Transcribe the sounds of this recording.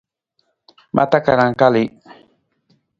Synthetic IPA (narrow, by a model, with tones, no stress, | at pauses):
mʔa̰t̪a˦ka˨ɾa˨ŋkali